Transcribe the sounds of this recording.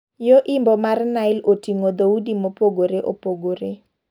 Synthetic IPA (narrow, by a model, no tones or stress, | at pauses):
joʔimbɔmarnaɪlotiŋod̪audimopoɡoɾeʔopoɡoɾe